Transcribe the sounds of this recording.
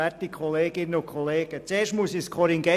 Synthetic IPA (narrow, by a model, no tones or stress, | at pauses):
ætikʰχɔleːɡɪnːəʊkʰɔleːɡ̥ət͡seːɾʃtmusɪçskʰɔɾiŋɡɛ